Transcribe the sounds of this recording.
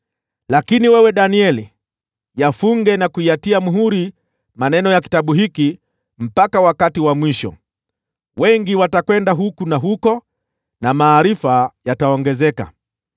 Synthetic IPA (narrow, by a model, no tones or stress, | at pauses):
lakiniwɛwɛɗaniɛli | jafuŋɡɛnakuiatiamuɦuɾi | manɛnɔjaki̥taɓuɦiki | m̩pakawakatiwamwiʃɔ̰ | wɛŋɡiwatakwɛndaɦukunaɦukɔ | namaːɾifajataɔŋɡɛzɛka̰